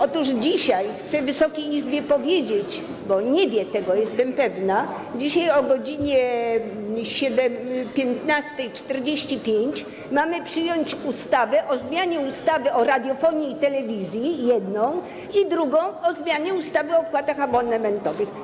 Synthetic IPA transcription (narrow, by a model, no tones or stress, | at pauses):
ɔt̪uʐd͡ʑiɕajxt̪sɛvɘsɔkʲejizbʲjɛpɔvʲjed͡ʑet͡ɕ | bɔɲɛvʲjɛt̪ɛɡɔjɛst̪ɛmpɛvna | d͡ʑiɕajɔɡɔd͡ʑiɲɛ | ɕɛd̪ɛmpʲjɛnt̪nast̪ɛjt͡ʂt̪ɛɾd͡ʑeɕt͡ɕipʲjeɲt͡ɕ | mamɘpʂɘjɔɲt͡ɕust̪avɛʔɔzmʲjaɲɛust̪avɘɔɾad̪ʲjɔfɔɲeit̪ɛlɛvʲizʲjijɛd̪nɔ̃w̃ | id̪ɾuɡɔ̃w̃ɔzmʲjaɲɛust̪avɘɔːpwat̪axabɔnɛmɛnt̪ɔvɘx